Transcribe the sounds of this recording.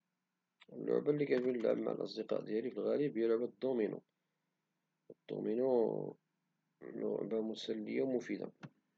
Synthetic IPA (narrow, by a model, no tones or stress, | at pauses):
əlːʊ̰ʕbalːikævinəlʕə̰mːa̰ʕ̰lʔɑ̰sˤd̪əqɑ̰ʔd̪jælifilɣælibjælʊʕbæd̪ˤːuminṵ | d̪̥ːṵminu | lʊ̰ʕbamʊsælːə̰jːawmufid̪a̰